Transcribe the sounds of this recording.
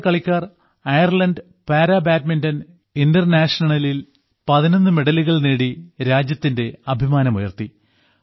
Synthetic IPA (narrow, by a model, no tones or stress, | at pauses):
kɐɭikʲːaːr | ɐjɐrlɐnɖ | paːɾaːbaːtmindɐn | indɐrnaːʂnɐɳɐlil | pɐðino̞nːɨmeɽɐliɣɐɭniːɽiɾaːd͡ʑjɐt̪ːinde̞ɐbʱimaːnɐmujɐ̰rt̪i